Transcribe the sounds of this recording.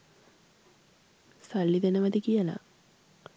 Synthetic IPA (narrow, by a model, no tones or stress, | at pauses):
saɭːid̪enəʋɐd̪ikijəla̰